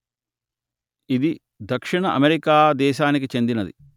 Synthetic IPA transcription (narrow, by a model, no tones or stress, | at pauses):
id̪i | d̪ʱɐkʂiɳɐʔɐmeɾikaːd̪ɛːʃaːnik̬it͡ʃe̞nd̪inɐd̪ḭ